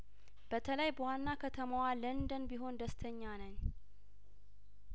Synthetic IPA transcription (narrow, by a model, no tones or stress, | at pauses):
b̥ət̪ʰələjbəwanːakʰət̪ʰəmawalənd̪ənbiɦo̞nd̪əst̪ʰəɲːanəɲː